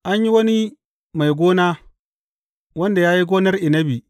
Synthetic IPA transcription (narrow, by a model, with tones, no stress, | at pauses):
ʔa˦ɲji˦wɐ˦ni˦ | ma˨jɡʷoː˦naː˦ | wɐ˦nda˨jaː˦ji˦ɡoː˦nɐ˦rʔi˨nɐ˦bi˨